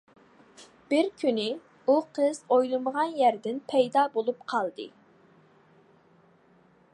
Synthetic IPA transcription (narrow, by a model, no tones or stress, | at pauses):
b̥ɪɾkʲʰynɪ | uqʰəz̥ojlˠɨməʁɑnjæɾd̪ɪnpʰɛjd̪ɑːbolˠupqʰɑlˠd̪ɨ̰